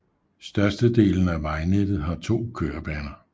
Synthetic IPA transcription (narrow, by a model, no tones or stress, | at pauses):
sd̥ɶɐsd̥əd̥e̝̰ːln̩æʋɑ̈ɪned̥ð̞̩ˠɦɑ̈t͡sʰo̝̰ːkʰøːɐb̥ɛːnɐ